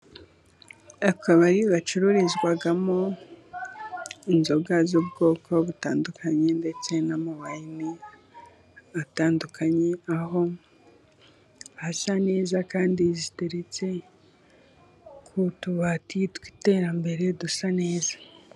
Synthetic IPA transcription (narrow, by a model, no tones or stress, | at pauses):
akʰaβaɾiβat͡ʃuɾuɾizɡwaɡamo | inzo̞ɡazubɡo̞ːkʰo̞βutaːndukʰaɲe̞nde̞t͡se̞namawajini | ataːndukʰaɲe̞aɦo̞ | hasane̞ːzakaːndizite̞ɾe̞t͡se̞ | kʰutuβatitwi̥te̞ːɾambe̞ɾe̞dusane̞ːzḁ